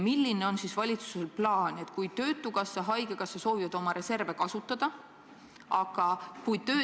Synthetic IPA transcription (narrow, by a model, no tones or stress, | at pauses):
milːineo̞nsisvɑlʲit̪su̥se̞lplɑːne̞t̪kujt̪ø̞ːt̪ːˑukɑsːɑɦɑjɡ̥ekɑsːɑso̞ːvivɑd̪̥o̞mɑɾe̞se̞rve̞kɑsut̪ːˑɑd̪̥ɑ | ɑɡ̥ɑkujt̪ø̞ː